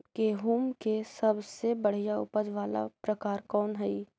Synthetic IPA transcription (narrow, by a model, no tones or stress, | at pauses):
keɦuːmkesɐbsebɐɽ̤ijaʊ̰pəd͡ʒʋaːla̰pɾɐkaːɾkɔːnɦɛi